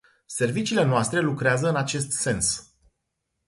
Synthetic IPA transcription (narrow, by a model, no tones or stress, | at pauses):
se̞rvit͡ʃiːle̞noast̪ɾe̞lukɾeazəɨnat͡ʃe̞st̪se̞ns